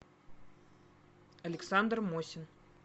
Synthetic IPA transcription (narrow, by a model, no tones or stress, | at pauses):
ɐlʲɛksand̪rmosʲin